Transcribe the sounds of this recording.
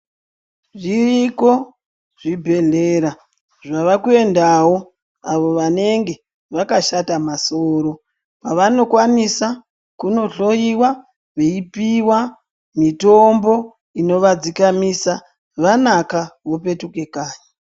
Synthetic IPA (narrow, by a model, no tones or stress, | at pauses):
ʐiriko̞ | ʐibʱe̞ɮeːɾa | ʐaʋakue̞ndawo̞ | aʋo̞ʋane̞ŋɡe̞ | ʋakaʃatamasoːɾo̞ | paʋano̞kwanisa | kuno̞ɬo̞iwa | ʋe̞ipiwa | mito̞mbo̞ | ino̞ʋad͡zikamisa | ʋanakaʋo̞pe̞tuke̞kaːɲa